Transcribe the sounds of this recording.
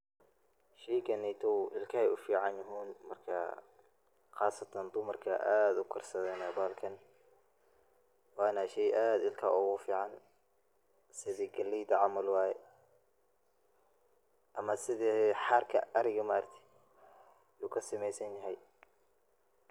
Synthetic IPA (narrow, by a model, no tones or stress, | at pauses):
ʃɛjkɐnɛjt̪ʰɔwʔɪlkʰɐhɛʊfiːʕɑnjɐɦiːnmɐrkʰɐ̰ | xɑːsɐt̪ʰɐnd̪ʊmɐrkʰɐ̰ʔaːd̪ʊkʰɐrsɐðɛːnɐbaːlkʰɐn | wɑːnɐʃɛjʔaːd̪ɪlkʰɐ̰ʊɣʊfiːʕɑn | sɪðiɡɐlːiːd̪ɐʕɑmɐlwɑːjɛ | ʔɐmɐsɪðiħɑːrkʰɐ̰ʔɐɾɪɣɐmaːrt̪ʰɪ̥ | juːkʰɐsɪmɛjsɐnjɐɦɛj